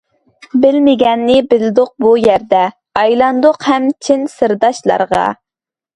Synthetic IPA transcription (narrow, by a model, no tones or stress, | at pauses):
bɪlmɪɡʲɛnːɪbɪld̪ʊq̚bujæɾd̪ɛ | ɑjlˠɑnd̪ʊqhɛmt͡ʃʰɪnsɨɾd̪ɑʃlˠɑ̰ɾʁɑ̰